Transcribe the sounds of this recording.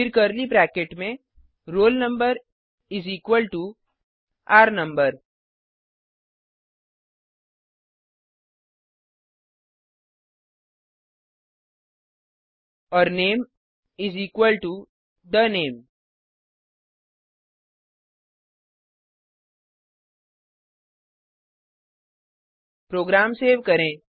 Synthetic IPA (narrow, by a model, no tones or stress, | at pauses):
pɪɾkəɾlibɾɛːkeʈmẽ | ɾoːlnə̃mbəɾ | ɪziːkwəlʈu | aːɾnə̃mbəɾ | ɔːɾneːm | izikʋəlʈu | d̪əneːm | pɾoːɡɾaːmseːʋkəɾẽː